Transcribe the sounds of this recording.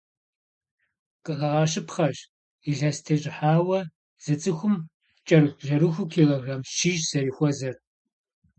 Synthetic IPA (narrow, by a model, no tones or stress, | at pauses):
qʼɨʔɐʁɐʃɨpχɐɕ | iɮɐstʰɐɕʼɪħaːwɐ | z̥ɐt͡sʼɨxʷʊm | t͡ʃʼɐrɨxʷɮɐɾɨxʷʊkʰiːʁɐɣɐmʃiʒz̥ɐɾiːxʷɔzɐr